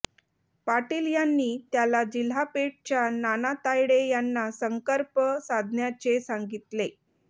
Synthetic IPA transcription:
paʈiːljanːiːt̪jalad͡ʑil̤apeʈ̚t͡ɕjananat̪ajɽejanːasəŋkəɾpəsad̪ʱnjat͡ɕesaŋɡit̪le

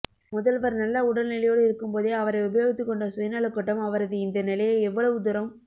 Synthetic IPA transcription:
mʊðɐlʋɐɾnɐlːɐʊɽɐlnɪlɐjoːɽɯɪɾɯkːɯmpoːðeːɐʋɐɾɐɪʊbɐjoːɣɪt̪ːɯkːɔɳɖɐsʊjɐnaːɭɯkːɐʈːɐmɐʋɐɾɐðɯɪnd̪ɐnɪlɐjɐɛʋːɐɭɐʋɯd̪ʊɾɐm

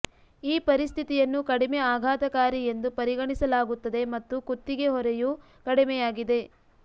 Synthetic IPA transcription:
iːpɐɾist̪ʰit̪ijɐnːukɐɽimeaːɡʱaːt̪ɐkaːɾie̞nd̪upɐɾiɡɐɳisɐlaːɡut̪ːɐd̪e̞mɐt̪ːukut̪ːiɡe̞ɦɔɾɛju | kɐɽimɛjaːɡid̪e̞

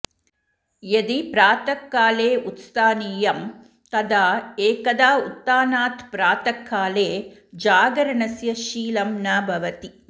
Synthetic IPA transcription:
jed̪ipɾaːt̪ɐkːaːleːut̪st̪aːniːjɐm | t̪ɐd̪aːeːkɐd̪aːut̪ːaːnaːt̪ʰpɾaːt̪ɐkːaːleːd͡ʒaːɡɐɾɐɳɐsjɐʃiːlɐmnaːbʱɐʋɐt̪i

